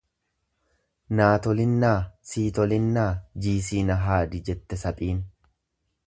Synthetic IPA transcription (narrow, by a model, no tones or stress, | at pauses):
naːt̪ɔlɪnːaːsiːt̪ɔlɪnːaːd͡ʒiːs̬iːnɐɦaːd̪ɪd͡ʒɛt̪ːɛsɐpʼiːn